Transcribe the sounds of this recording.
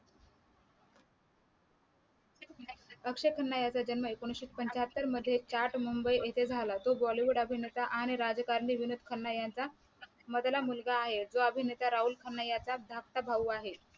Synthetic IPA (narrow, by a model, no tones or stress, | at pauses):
əkʂekʰənːajat͡sad͡ʑənməekoɽ̃ɕiːt̪̚pəɲt͡ɕɦət̪ːəɾməd̪ʱːjet͡ɕaɾʈmumbəjet̪ʰed͡zʱalat̪obɔliʋuɽəbʱinet̪aʔaɽ̃iɾad͡zkaɾɳiʋinud̪ʱkʰənːajant͡sa | məd̪lamulɡaːɦed͡zoəbʱinet̪aɾaɦuːlkʰənːajat͡sad̪ʱak̚t̪abʱaʋuaɦe